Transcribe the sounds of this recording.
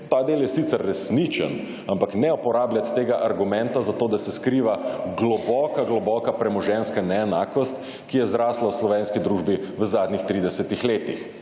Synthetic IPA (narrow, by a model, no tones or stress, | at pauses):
t̪aːd̪eːljɛsit̪sɛɾːɛsnit͡ʃə̰n | ampaknɛupɔɾaːblʲjat̪ːeːɡaʔaɾɡumɛ̃nt̪azat̪oːd̪asɛskɾiːʋaɡlɔbɔkaɡlɔbɔkapɾɛmɔʒɛnskanɛɛnaːkɔst̪ | kijɛzɾaːslawslɔʋeːnskid̪ɾuːʒbiʋəzaːd̪nʲixt̪ɾiːd̪ɛsɛt̪ixleːt̪ix